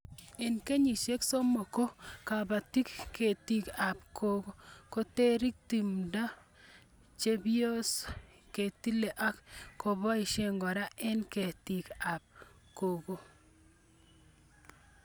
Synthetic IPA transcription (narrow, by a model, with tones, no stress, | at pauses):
e˨nke˦ɲi˨ʃe˦kso˦mo˨ko˦ka˨ba˨ti˦kkʰe˨ti˦ka˨p̚kʰo˦ɡo˦ko˦te˦ɾi˦k̚ti˨mda˦ | t͡ʃe˦bijo˦s | ke˨ti˦le˨ʔa˦kko˨βa˦i˨ʃe˦ŋɡɔ˨ɾa˦ɛ˦nke˨ti˨ka˨p̚ | ko˨ɡo˦